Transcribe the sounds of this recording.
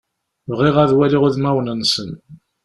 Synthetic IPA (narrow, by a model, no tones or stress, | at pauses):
vʁiʁæðwæliʁʊðmæwnənsən